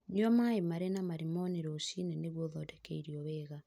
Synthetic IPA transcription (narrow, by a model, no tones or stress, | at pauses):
ɲiɔmaemaɾenamaɾimɔneɾosinɛneɣwoðɔtɛkeiɾiɔβɛːɣa